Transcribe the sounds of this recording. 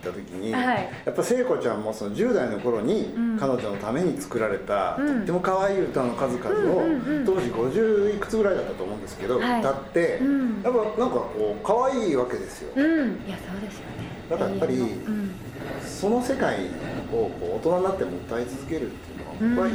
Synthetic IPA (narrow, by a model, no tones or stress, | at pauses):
i̥t̪ːat̪o̞kʲiɲ̟iajapːaise̞ːko̞t͡ɕãmːo̞so̞no̞ʑɨːd̪aino̞ko̞ɾo̞ɲ̟ikano̞ʑo̞no̞t̪ame̞ɲ̟it͡sɨ̥kɯ̟ɾaɾe̞t̪a̰t̪ot̪ːe̞mo̞kaβaiːɯ̟t̪anokazɨkazɨo̞o̞ːʑiɡo̞ʑɨːikːɯ̟̥t͡sɨɡɯ̟ɾaid̪at̪ːat̪o̞ːmõ̞ːnd̪e̞sɨ̥ke̞d̪o̞ɯit̪at̪ːe̞japːanãŋkako̞ːkaβaiːβake̞d̪e̞sɨjo̞̰jasoːd̪esɨjone | d̪akajapːaɾʲi | so̞no̞se̞kaḭo̞ko̞̰ːt̪o̞nanːat̪ːe̞mo̞ɯ̟t̪ːait͡sɨzɨke̞ɾɯ̟t̪ːeiɯ̟noa̰kai